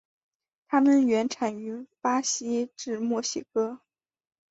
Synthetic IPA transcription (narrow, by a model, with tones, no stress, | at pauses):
t̪ʰa˥mə˨nɥɛ˧˥nʈ͡ʂʰa˨˩ny˧˥pa˥ɕi˥ʈ͡ʂɻ̩˥˩˧mwɔ˥˩ɕi˥˩kɤ˥